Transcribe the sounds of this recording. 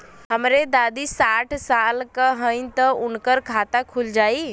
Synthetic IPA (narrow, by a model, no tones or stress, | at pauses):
ɦəmɾed̪ad̪isaʈʰsalkəɦəɪnt̪əunkəɾkʰat̪akʰuld͡ʒai